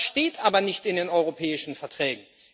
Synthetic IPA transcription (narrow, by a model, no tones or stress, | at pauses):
ʃteːtʔaːbɐnɪçtɪndeːnʔɔʏʁopʰɛːɪʃn̩fɛɐtʁ̥ɛːɡŋ̩